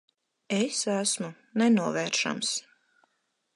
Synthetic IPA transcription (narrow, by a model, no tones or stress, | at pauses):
esæsmu | nɛnuɔvɛːɾʃa̰ms